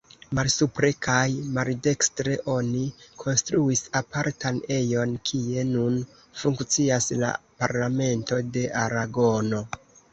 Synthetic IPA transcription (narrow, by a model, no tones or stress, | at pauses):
malsupɾe̞kʰajmalde̞kstɾe̞ʔo̞nikʰo̞nstɾuisapaɾtane̞jo̞nkʰie̞nun | fuŋkt͡siasla̰pa̰ɾlame̞nto̞de̞ʔaɾaɡo̞no̞